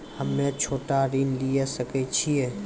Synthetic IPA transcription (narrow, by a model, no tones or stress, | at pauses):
həmːẽt͡ʃʰoːʈaɾinliesəket͡ʃʰieː